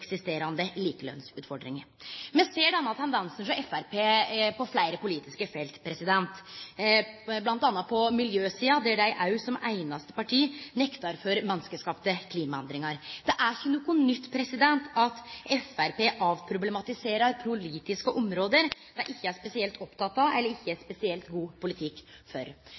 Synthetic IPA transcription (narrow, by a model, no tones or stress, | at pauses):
ksɪst̪eːɾɑnd̪əliːkəlœ̰nsʉːt̪fɔɖɾɪŋ | mɛnseːɖɛɛnːɑt̪ʰɛnd̪ɛnsn̩ʂɔʔɛfæɾpʰeːpɔflæɪɾəpʊliːt̪ɪskəfɛlt̪pʰɾɛsɪd̪ɛnt̪ | blɑnt̪ɑːnːɑt̪̚pʰɔmɪljøːsiːɑd̪ɛɖæɪʔɑʉsɔmæɪnɑst̪ə̥pɑʈʰiːnɛkt̪ɑɾfɔɾmɛnːskəskɑːpt̪əkʰliːmɑɛnd̪ɾɪŋɑɾd̪ɛʔæɾçənukːʊnʏt̪ːpʰɾɛsɪd̪ɛnt̪ʰɑt̪ɛfæɾpeːʔɑʋpʰɾʊblɛmɑt̪ɪseːɾɑɾpʰɾʊliːt̪ɪskəʔɔmɾoːd̪əɾd̪̥ɛʔɪçːəæspɛsɪɛlt̪ʰɔpt̪ɑt̪ːɑɛlːəɾɪçːəæspɛsɪɛlt̪ɡuːpʊlɪt̪ʰɪkːfɔ̰ɾ